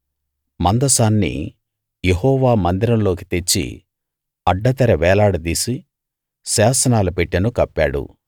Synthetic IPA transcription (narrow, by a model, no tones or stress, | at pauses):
mɐnd̪ɐsaːnːḭ | jeɦɔːʋaːmɐnd̪iɾɐmlo̞ːk̬i̥t̪et͡ʃːḭ | ɐɖːɐt̪ɐɾɐʋɛːlaːɽut̪̬iːsi | saːsɐnaːlupeʈːɐnukɐpːaːɽṵ